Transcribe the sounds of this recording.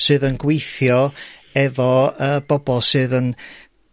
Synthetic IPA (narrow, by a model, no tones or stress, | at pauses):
sɨːðənɡwejθjɔɛvɔəːbɔbɔlˠsɨːðən